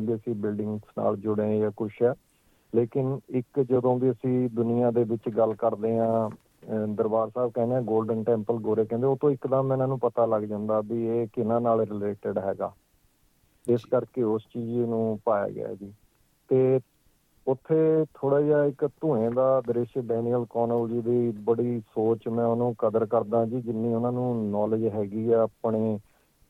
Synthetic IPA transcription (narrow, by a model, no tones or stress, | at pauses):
biəsĩːbɪlɖɪ̃ŋɡsna̰ːld͡ʒʊɽẽjaːkʊʃʰɦɛː | leːkɪnɪkd͡ʒəd̪õːbiːəsĩːd̪ʊnɪjãːd̪eːbɪt͡ʃɡəlkəɾd̪eːɦãː | d̪əɾbaːɾsaːb̚kɛːneɛãːɡoːlɖənʈɛ̃ːmpəlɡoːɾeːkɛ̃nd̪eːoːt̪õːɪkd̪ãːmɛ̃ːnãːnũːpət̪aːləɡd͡ʒãːnd̪aːbiːeːkɪnãːnaːlɾɪleːʈəɖɦɛːɡa̰ː | ɪskəɾkeːʊst͡ʃiːd͡ʒenũːpaːja̰ːɡɪ̰a̰ːd͡ʒiː | t̪eː | ʊt̪ʰːeːt̪ʰoːɽaːd͡ʒaːɪkt̪ʊ̃ːẽːd̪aːd̪əɾɪʃɖɛːniːəlkɔːnəld͡ʒiːd̪iːbəɽiːsoːt͡ʃmɛ̃ːʊnũːkəd̪əɾkəɾd̪ãːd͡ʒiːd͡ʒɪnːiːʊnãːnũːnɔːləd͡ʒɦɛːɡiːɛːapɳeː